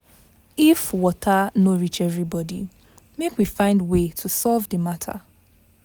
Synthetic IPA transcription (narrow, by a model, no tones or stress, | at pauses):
ifwɔtʰanoɹit͡ʃɛvɹibɔdḭ | mekwifãɪ̃ndwetʰusɔlvðəmatʰa̰